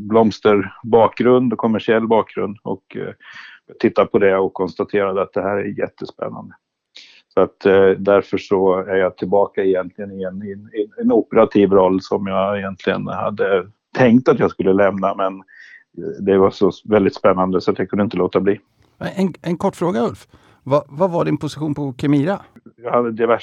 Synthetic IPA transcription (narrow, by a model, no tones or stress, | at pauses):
blɔmst̪əɾbɑːkɡɾɵnd̪ɔkʰɔmːæʂɪɛlːbɑːk̚ɡɾɵ̰nd̪ɔ̰k | t̪ʰɪt̪ːapʰɔd̪ɛɔkʰːɔnst̪at̪ʰeːɾad̪əat̪̚d̪ɛhæːɾæɾjɛ̰t̪ʰːəspɛ̰nːa̰nd̪ə | sɔat̪d̪æɾfœʂɔæɾjɑːt̪ʰɪlbɑːkaɪjɛnt̪lɪɡənɪɛnnɛnʊpəɾat̪ʰiːvɾɔlːsɔmjɑːɛjɛnt̪ʰlɪɡə̰nha̰d̪ːə | t̪ʰɛŋkt̪at̪jɑskɵlːəlɛmnamɛn | d̪ɛvaʂɔvɛld̪ɪt̪spɛnːand̪əsɔat̪jakʰɵnd̪ɪnt̪əloːt̪abliː | ɛɛnɛnkʰɔʈːfɾoːɡaɵlf | vavavaɖɪnpʰʊsɪɧuːnpʰɔkʰɛmiːɾajɑːhad̪ːəd̪ɛvæ